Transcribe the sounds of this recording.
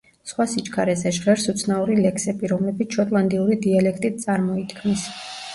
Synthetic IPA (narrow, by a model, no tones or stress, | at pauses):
sχwasit͡ʃkʰaɾɛzɛʒʁɛɾsut̪sʰnauɾilɛkʰsɛbiɾɔmlɛbit̪sʃɔt̪ʼlˠand̪iuɾid̪ialɛkʰt̪ʼit̪̚sʼaɾmɔit̪ʰkʰmis